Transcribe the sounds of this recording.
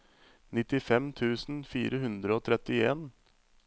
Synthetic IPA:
nɪt̪ɪfɛmt̪ʰʉːsn̩fḭːɾəhʉnd̪ɾəoːt̪ʰɾɛt̪ɪeːn

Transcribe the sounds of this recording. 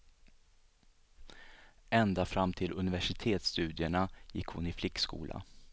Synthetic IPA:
ɛnd̪afɾamːt̪ʰɪlʔɵnɪvæʂɪt̪ʰeːt̪st̪ʉ̟ːd̪ɪəɳajɪ̰kːhʊ̰nɪflɪkːskṵːlʔa̰

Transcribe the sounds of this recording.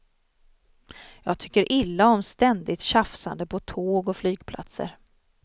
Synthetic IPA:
jɑːɡ̚t̪ʰʏkːəɾʔɪlːaɔmst̪ɛnd̪ɪt̪ɕafsa̰nd̪əpʰɔt̪ʰoːɡɔflyːɡpʰlʔa̰t̪sə̰ɾ

